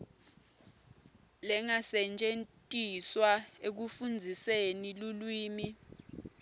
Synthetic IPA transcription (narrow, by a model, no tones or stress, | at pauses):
lɛŋasɛnt͡ʃʼentʼiswaek̬ufund͡zʱisenilulwiːmi